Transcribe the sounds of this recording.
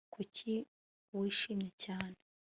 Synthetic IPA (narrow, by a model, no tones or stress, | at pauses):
kʰucʰi | wiʃiːmɲecaːne